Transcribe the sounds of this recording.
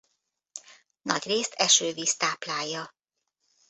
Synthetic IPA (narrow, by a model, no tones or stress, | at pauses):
nɒɟreːst̪ʰɛʃøːviːst̪aːplaːjːɒ